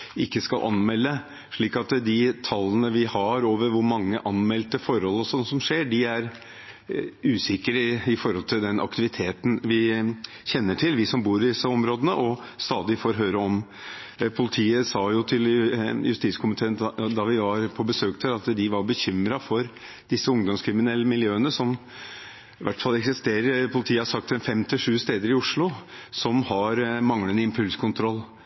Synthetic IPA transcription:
ɪkːəskɑlʔɑ̰nmɛlːə | ʂɭiːkɑt̪d̪ɪt̪ʰɑlːənəʋɪhɑɾoːʋəɾʋʊɾmɑŋːəʔɑnmɛlt̪əfɔɾhɔlːɔsɔnːsɔmʂeːɖɪæɾ | ʉːsɪkəɾəɪfɔɾhɔlt̪ʰɪld̪ɛnʔɑ̰kt̪ɪʋɪt̪ʰeːt̪n̩ʋɪ | çɛnːəʈʰɪlʋɪsɔmbuːɾd̪ɪsəɔmɾoːd̪ənəʔɔ | st̪ɑːd̪ɪfoːɾɦøːɾəɔm | pʰʊlɪt̪ʰiːəsɑːjʊt̪ʰɪljʉst̪iːt̪skʰʊmɪt̪ʰeːənd̪ɑʋɪʋɑɾpʰɔbəsøːk̚t̪ʰəɾɑt̪d̪ɪʋɑɾbəçʏmɾɑfɔɾ | d̪̥ɪsːəʊŋd̪ɔmskʰɾɪmɪnɛlːəmɪljøːənəsɔm | ɪʋæʈːfɑlɛksɪst̪eːɾəɾpʰʊlɪt̪ʰiːəhɑʂsɑk̚t̪ɛnfɛmt̪ɪʂʉːst̪eːd̪əɾɪʊʂɭʊsɔmhɑɾmɑŋlənəɪmpʰʉlskʰʊnt̪ʰɾɔlː

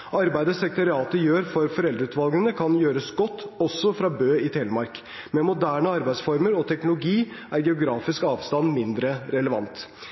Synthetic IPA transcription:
ʔɑɾbæɪd̪əsɛkt̪ʰɑɾɪɑːt̪əjøːɾfɔɾfɔɾɛld̪ɾʉːt̪ʋɑlˠɡnənəkʰɑnjøːɾəsɡɔt̪ːɔsːɔfɾɑːbøːɪt̪ʰeːləmɑɾk | mɛmʊd̪æːɳəɑɾbæɪd̪sfɔɾməɾɔt̪ʰɛknʊlʊɡiː | ʔæːɾɡɛʊɡɾɑːfɪskɑːʋst̪ɑnmɪnd̪ɾəɾɛləʋɑ̰nt̪

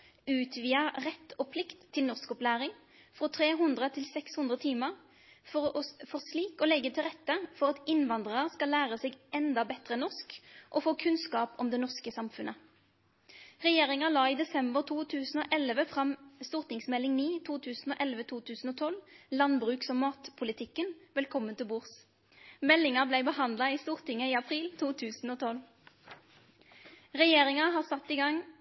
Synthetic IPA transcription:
ʉːt̪ʰʋiːəʁɛt̪ʰːɔpʰlɪkt̪ʰːɪlnɔʁskɔplæːʁɪŋ | fʁɔt̪ʰʁeːɦʉnd̪ʁət̪ʰɪlsɛkshʉnd̪ʁət̪ʰiːməʁ | fɔfɔʁsliːkɔlɛɡːət̪ʰɪlʁɛt̪ːəfɔʁɑt̪ɪnʋɑnd̪ʁəʁəskɑlːæːʁəsɛɡʔɛnd̪ɑbɛt̪ʁənɔʁskʔɔfoːkʰʉnskɑːpɔmd̪ɛnɔʁskəsɑmfʉnʔə | ʁɛjeːʁɪŋɑlɑːiːd̪ɛsɛmbəʁt̪ʰuːt̪ʰʉːsn̩o̰ːʔɛlʋəfʁɑmst̪uːʁt̪ɪŋsmɛlːɪŋniːt̪ʰuːt̪ʰʉːsn̩oːʔɛlʋət̪ʰuːt̪ʰʉːsn̩oːt̪ʰɔllɑnbʁʉːksɔmːɑːt̪pʰʊlɪt̪ʰɪkːənʋɛlkʰɔmːənt̪ɪlbuːʁs | mɛlːɪŋɑblæɪbəhɑnd̪lɑiːst̪uːʁt̪ɪŋəiːɑpʰʁiːlt̪ʰuːt̪ʰʉːsn̩oːt̪ʰɔlʋ | ʁɛjeːʁɪŋɑɦɑːʁsɑt̪ːiːɡɑŋ

